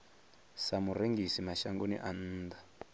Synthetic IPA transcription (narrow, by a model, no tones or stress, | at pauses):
samureŋɡisimaʃaŋɡonḭʔan̩ːd̪a